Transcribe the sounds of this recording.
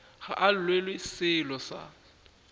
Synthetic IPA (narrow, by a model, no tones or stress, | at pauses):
ɣa̰ʔal̩lwelwesɪlɔsa̰